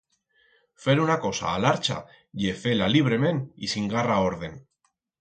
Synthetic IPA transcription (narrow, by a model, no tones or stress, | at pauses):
fe̞ɾunako̞sa̰ːlaɾt͡ʃa̰ | ʝefe̞laliβ̞ɾe̞me̞nḭsiŋɡarao̞ɾð̞e̞n